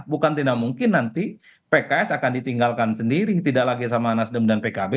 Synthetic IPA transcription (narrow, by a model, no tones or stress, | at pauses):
bukant̪inamuŋkɪnːant̪i | pekaɛsakandit̪iŋɡalkansəndiɾit̪idaʔlaɡisamaːnasdəmdanpekabe